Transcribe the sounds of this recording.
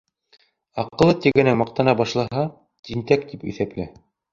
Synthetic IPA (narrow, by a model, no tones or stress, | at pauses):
ɑqɤ̆lˠɤt̪iɡɘ̆næmɑq̚t̪ɑnɑbɑʃlˠɑɦɑ | t̪int̪æk̚t̪ipɵ̰̆θæplæ